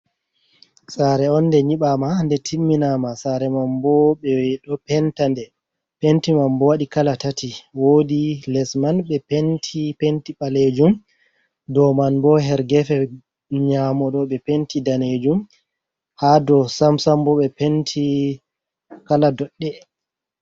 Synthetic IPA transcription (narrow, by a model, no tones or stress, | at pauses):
saɾɛɔnːdɛɲiɓamandɛtʰimːinamasaɾɛmambɔɓɛɗɔpɛntandɛ | pentimambɔwaɗikalatatiwodilɛsmanɓɛpentʰipentiɓaled͡ʒum | dɔmanbɔɦɛɾɡɛfɛ | ɲamɔɗɔɓɛpentidaned͡ʒum | hadɔsamsambɔɓɛpentʰi | kaladɔɗːɛ